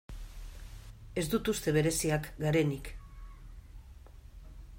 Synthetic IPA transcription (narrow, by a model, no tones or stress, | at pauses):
e̞zd̪ut̪ust̪e̞β̞e̞ɾe̞siakɡaɾe̞nik